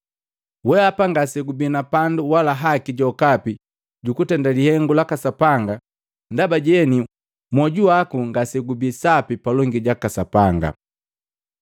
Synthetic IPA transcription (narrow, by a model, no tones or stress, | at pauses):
wɛapaŋɡasɛɡubinapanduwalaɦakiɟɔkapi | ɟukutɛndalihɛŋɡulakasapaŋɡa | ndabaɟɛni | mwɔɟuakuŋɡasɛɡubisapipalɔŋɡiɟakasapaŋɡa̰